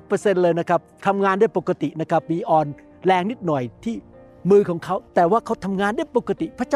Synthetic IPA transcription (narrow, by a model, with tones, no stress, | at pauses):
pɤː˧se˧nlɤː˧jna˦˥kʰa˦˥p̚t̪ʰa˧mŋaː˧ndu˥˩əjpo˨˩kːa˧t̪i˨˩na˦˥kʰa˦˥p̚miː˧ʔɔː˧n | lɛː˧ŋni˦˥t̪̚nɔ˨˩jt̪ʰiː˥˩ | mɯː˧kʰɔː˩˦ŋkʰa˦˥wt̪ɛː˨˩waː˥˩kʰa˦˥wt̪ʰa˧mŋaː˧ndu˥˩əjpo˨˩kːa˧t̪i˨˩pʰɾa˦˥t͡ɕa˥